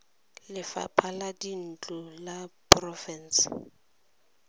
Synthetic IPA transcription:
lɪfa̰pʰaladin̩t͡ɬʼɔlaprɔfɛn̩s

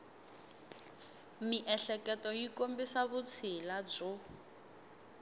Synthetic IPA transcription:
miʔɛɬɛkɛtɔjikombisaβut͡sʰilab͡ʐɔ

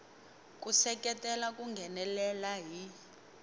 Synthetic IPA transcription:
k̬ʼusɛk̬ʼɛtʼɛlak̬ʼuŋɡʱɛnɛlɛlaɦi

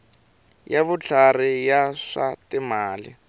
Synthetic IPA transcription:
jaβʊt͡ɬʰarɪjaʂatɪmaːlɪ̰

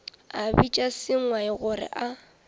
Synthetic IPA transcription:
abit͡ʃʼasɪŋwaɪɣʊrɪ̰ʔa

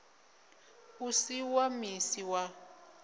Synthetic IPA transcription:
usiwamisiwa

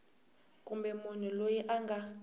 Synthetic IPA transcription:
kʼumbɛmun̤ulojiʔaŋɡʱa

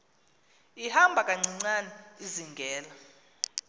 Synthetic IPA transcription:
ihambʱakʼaŋ͡ǀiŋ͡ǀanɛiziŋɡʱɛːla

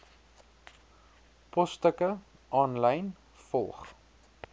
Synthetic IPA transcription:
pɔstəkə | ʔɑːnləjn | fɔlˠχ

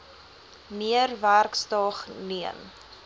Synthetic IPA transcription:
miərværkstɑχniən

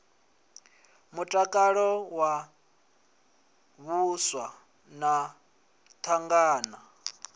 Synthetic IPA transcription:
mutʼakʼaɺɔwa | βuswa | na | t̪ʰaŋɡaːna

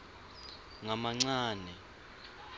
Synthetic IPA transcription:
ŋamaŋ͡ǀaːnɛ

